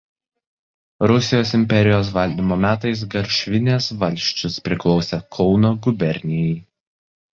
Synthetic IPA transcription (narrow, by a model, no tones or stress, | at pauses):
ɾʊsʲɪjoːsɪmʲpʲɛɾʲɪjoːs̬ʋɐlʲd̪ʲiːmoːmʲæːt̪̬ɐɪs̬ɡɐɾʲʃʲʋʲɪnʲesʋɐlʲʃʲt͡ʃʲʊspʲɾʲɪklˠɒʊsʲekʰɔʊnoːɡʊbʲɛɾʲnʲɪjɛɪ